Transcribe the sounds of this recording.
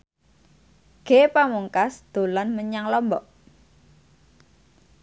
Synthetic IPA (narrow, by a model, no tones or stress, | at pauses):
ɡ̥epamuŋkasd̪̥o̤lɔnməɲaŋlɔmbɔʔ